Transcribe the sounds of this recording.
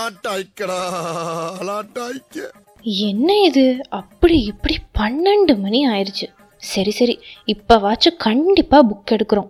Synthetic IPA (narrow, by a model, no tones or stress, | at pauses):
ãːʈaːɪkːɐɽaː | laːʈaːɪkːɐ | ɛnːɐɪðɯɐpːɐɽiɪpːɐɽipɐnːɐɳɖɯmɐniaːjɪɾɯt͡ʃːɯ | sɐɾisɐɾiɪpːoːʋaːt͡ʃːɯkɐɳɖɪpːaːbʊkːɛɽɯkːɯɾõː